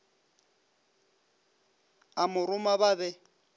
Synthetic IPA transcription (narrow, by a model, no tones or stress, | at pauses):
amʊɾʊmaβaβɛ